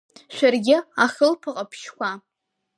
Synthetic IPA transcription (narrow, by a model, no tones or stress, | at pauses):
ʃʷᶣarɡʲɪaχʲɨlpʰɨqʼapʰʃkʷa